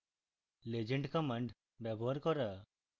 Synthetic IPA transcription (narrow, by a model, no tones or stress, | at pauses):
led͡ʒəɳʈkɔməɳɖ | bjɛbɔɦaɾkɔɾa